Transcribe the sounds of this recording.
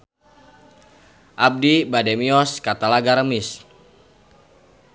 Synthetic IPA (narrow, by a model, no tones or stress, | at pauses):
ʔab̚dibademiɔskat̪alaɡaɾəmɪs